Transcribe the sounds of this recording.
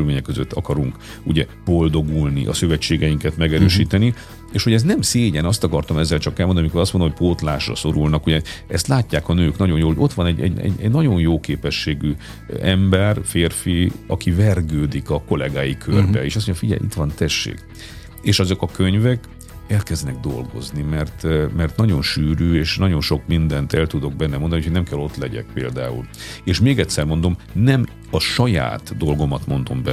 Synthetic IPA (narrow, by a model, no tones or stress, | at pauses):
lmeːɲɛkːøzøt̪ːɒkɒɾuŋk | uɟɛ | bo̞ld̪o̞ɡulnḭʔɒ̰søvɛt͡ʃːeːɡɛjiŋkɛt̪mɛɡɛɾøːʃiːt̪ɛni | eːʃho̞ɟɛs̬t̪nɛmseːɟɛnɒst̪ɒkɒrt̪ɒmɛzːɛlt͡ʃɒkɛlmonmikoɾɒsmod̪omːj̚ʲpoːt̪laːʃrɒ̰so̞ɾulnɒkuɟɛɛst̪laːcːaːkɒnøːknɒɟo̞njoːloɟo̞t̪ʋɒnɛɟɛ̰ɟɛ̰ɟɛɟnɒɟo̞njoːkeːpɛʃːeːɡy | ɛmbɛrfeːrfiɒkivɛrɡøːd̪ikɒko̞lɛɡaːjikʰørbɛ̰eːʃɒs̬moɲɟfiɟɛ̰jlʔḭt̪ʋɒnt̪ɛʃːḛːk | eːʃɒzo̞kɒkøɲvɛk | ɛlkɛznɛɡ̚d̪o̞̰lɡo̞̰znimɛrt̪mɛrt̪nɒɟo̞nʃyːɾyːeːʃnɒɟo̞nʃo̞kmind̪ɛnt̪ɛlt̪ud̪o̞ɡ̚bɛnːɛmo̞nd̪ɒniujʰcʰhoɟnɛmkɛlːo̞t̪lɛɟɛ̰k̚peːld̪aːṵleːʃmeːɡɛt̪sɛrmo̞nd̪o̞mnɛm | ɒʃɒja̰ːt̪d̪o̞lɡo̞mɒt̪mo̞n̪d̪o̞mbɛ